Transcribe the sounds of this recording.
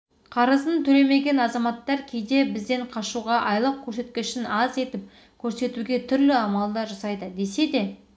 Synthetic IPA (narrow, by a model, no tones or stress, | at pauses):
qʰɑɾəzənt̪ʰɵle̞me̞ɡʲe̞nɑzɑmɑt̪ːɑɾkʲʰe̞jd̪e̞bɪzd̪e̞ɴqʰɑʃuʁɑʔɑjlˠəq̚kʲʰɵɾse̞t̪kʲɪʃɪnɑze̞t̪ɪp̚ | kʲʰɵɾse̞t̪uɡʲe̞t̪ʰʏɾlɪɑmɑlˠd̪ɑʒɑsɑjd̪əd̪e̞se̞d̪e̞